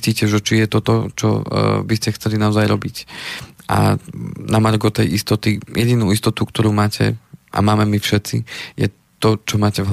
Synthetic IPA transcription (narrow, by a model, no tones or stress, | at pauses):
ciːcɛʒɛt͡ʃijɛt̪ɔt̪ɔt͡ʃɔ̰biscɛxt͡sɛlinaɔzajɾɔbicʔa̰namaɾɡɔt̪ɛjʔist̪ɔt̪ijɛɟinuist̪ɔt̪ukt̪ɔɾuːmaːcʰɛ̰ʔa̰maːmɛmifʃɛt̪sijɛ̰ | t̪ɔt͡ʃɔmaːcɛvɦ